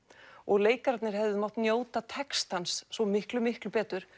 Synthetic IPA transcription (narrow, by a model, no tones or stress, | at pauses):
ɔɣleːjkaɾat̪nɪɾ̥ɦɛvðɪmaw̥t̪njoːwt̪at̪ʰɛkst̪ansːɔmɪhklʏmɪhklʏpɛːt̪ʏɾ̥